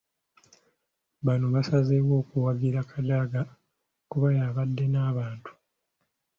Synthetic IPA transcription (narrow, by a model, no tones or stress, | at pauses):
βanoβasazewo̞ːkuwaɡiɾakʰadaɡa | kuβajaːβadːe̞naːβaːntu̥